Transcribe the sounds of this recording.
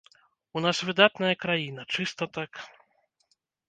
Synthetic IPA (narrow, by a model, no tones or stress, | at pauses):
unasvɨd̪at̪nɐjɐkɾajinɐt͡ʂɨst̪ɐt̪ak